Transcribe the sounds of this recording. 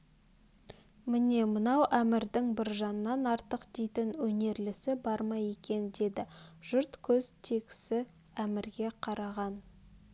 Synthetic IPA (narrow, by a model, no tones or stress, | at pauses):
mɪne̞mənɑwʔæmɪɾd̪ɪŋbɪɾʒɑnənːɑnɑɾt̪əqd̪ejt̪ɪnwɵne̞ɾlɪsɪbɑɾmɑje̞kʲe̞nd̪e̞d̪ɪʒ̥ʊɾt̪kʲʰɵz̥t̪ʰe̞kʲɪ̥sɪ | æmɪɾɡʲe̞qʰɑɾɑʁɑn